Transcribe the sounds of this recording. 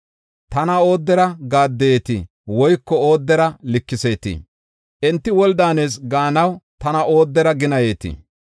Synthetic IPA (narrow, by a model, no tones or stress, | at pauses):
t̪ɐnɐo̞ːd̪ːɛɾɐɡaːd̪ːɛjeːt̪ɪ̰ | wɔjkːɔo̞ːd̪ːɛɾɐlɪkːɪse̞ːt̪ɪ̰ | ʔɛnt̪ːɪwɔld̪aːneːs̬ɡaːnɐwt̪ɐnɐʔo̞ːd̪ːɛɾɐɡɪnɐje̞ːt̪ɪ̰